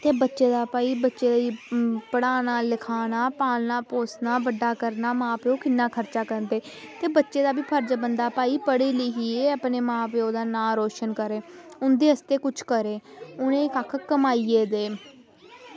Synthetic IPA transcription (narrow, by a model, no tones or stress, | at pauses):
t̪eːbətːʃeːd̪aːpaːiːbətːʃeːd̪aːipəɽaːnaːlɪkʰaːnaːpaːlnaːpoːsnaːbəɖːaːkəɾnaːmãːpeõːkɪnːaːkʰəɾt͡ʃaːkəɾnd̪eː | t̪eːbətːʃeːd̪aːbiːpʰəɾd͡ʒbənd̪aːpaːiːpəɽiːlɪɦieːəpneːmãːpeːõːd̪aːnãːɾoːʃənkəɾeːʊnd̪eːəst̪eːkʊt͡ʃʰkəɾeːʊnẽːkakʰkəmaːiːeːd̪eː